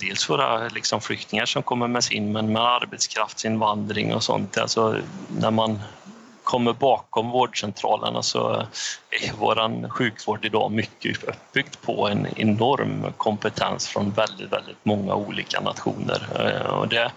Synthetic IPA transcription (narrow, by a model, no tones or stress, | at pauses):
d̪̥eːlsvoːɾa̰lɪksɔmflʏk̚t̪ɪŋaʂɔmkʰɔmːəɾmɛsɪnːmɛnmɛd̪aɾbɛt̪skʰɾaft̪sɪnvand̪ɾɪŋɔ̰sɔ̰nt̪asɔnæɾman | kʰɔmːəɾbɑːkɔmvoːɖʂɛnt̪ʰɾɑ̰ːlə̰ɳasɔ̰ | ɛɾjvoːɾanɧʉ̟ːkvoːɖɪd̪ɑːmʏkːəœpːbʏɡd̪pʰɔɛnɛnɔɾmkʰɔmpət̪ʰɛnsfɾɔnvɛld̪ɪt̪vɛ̰ld̪ɪt̪mɔŋːa̰uːliːka̰nat̪ɧṵːnə̰ɾɔ̰d̪ɛ